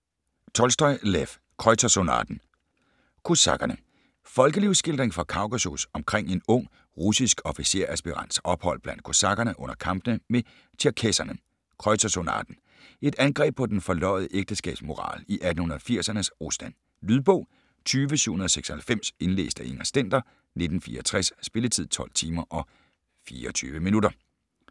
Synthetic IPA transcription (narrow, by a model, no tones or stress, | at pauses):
t͡sʰɒ̽lsd̥ɒ̽ɪlef | kʰʁɒɪt͡sʰæsonɑ̰d̥n̩ | kʰo̝sɑ̰̈ɡ̥ɐnə | fɒ̽lɡ̥əliʊsɡ̥e̝ld̥ʁeŋfɒkʰɑ̈ʊkæso̝sɒ̽mkʰʁeŋ̰e̝nɔ̽ŋ̰ | ʁusisɡ̥ɒ̽fise̝̰ɐ̰æsb̥iʁɑ̈n̰̥sɒ̽b̥hɒ̽l̰b̥læn̰d̥̚kʰo̝sɑ̈ɡ̥ɐnəʔɔ̽n̰ɐkʰɑ̈mb̥nəme | t͡sʰiɐkʰesɐnə | kʰʁɒ̽ɪt͡sʰæsonɑ̰̈ːd̥n̩ | e̝d̥ænɡ̥ʁɛ̰ːb̥̚pʰɒ̽d̥enfɒ̽lɒ̽ɪð̞ˠʔeɡ̥̚d̥əsɡ̥ɛ̰ːb̥smo̝ʁɑ̰̈ːliʔæd̥n̩hunɐð̩ˠfiɐ̰sɐnəsʁosd̥æn̰ | lyðˠb̥ɔ̽ʊ̰ | t͡sʰyːʋəsyṵhunɐðˠɒseɡ̥sɒ̽hælfem̰se̝nlḛːsd̥æʔeŋɐsd̥en̰d̥ɐ | ne̝d̥n̩fiːɐɒt͡sʰʁɛsːb̥e̝lət͡sʰið̰ˠt͡sʰɒ̽l̰t͡sʰiːmɐʔɒ̽ | fiːɐɒt͡sʰy̰ːʋəminudɐ